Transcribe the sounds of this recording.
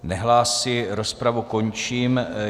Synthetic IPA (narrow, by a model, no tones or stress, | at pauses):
nɛɦlaːsɪɾo̞spɾavuko̞ɲt͡ʃiːm